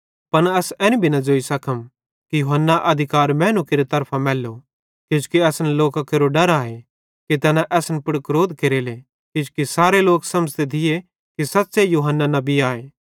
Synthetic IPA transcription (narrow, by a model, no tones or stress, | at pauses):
pɐnɐsɛ̃ːnĩbʱinɐd͡ʒoːisɐkʰəm | kijuɦənːaʔɐd̪ʱɪkaːɾmɛ̃ːnukeɾet̪ɐɾpʰãmɛːlːo | kɪd͡ʒkiɛːsnloːkakeːɾoɖɐɾaːɦe | kit̪ɛːnaʔɛːsnpʊɽkɾoːd̪keɾeːle | kɪd͡ʒkisaːɾeloːksɐməd͡ʒt̪et̪ʰɪje | kisɐt̪ːsejuːɦənːanɐbiaːeː